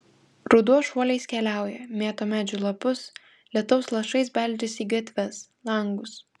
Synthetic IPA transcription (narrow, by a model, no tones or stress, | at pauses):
ɾʊd̪uɔʃuɔlʲɛɪskʲɛlʲæˑʊjɛmʲeːt̪oːmʲæːd͡ʒʲʊlˠɐpʊs | lʲɛt̪ɔʊslˠɐʃɐɪsbʲɛlʲˑd͡ʒʲɪsʲiːɡɐt̪ʲʋʲɛslˠɐŋɡʊs